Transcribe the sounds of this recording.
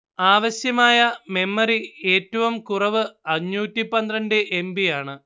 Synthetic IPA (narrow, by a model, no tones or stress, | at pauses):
aːʋɐɕjɐmaːjɐme̞mːɐrie̞ːtːɐʋumkurɐʋɨɐɲːuːtːipːɐnd̪rɐndeʔembijaːɳɨ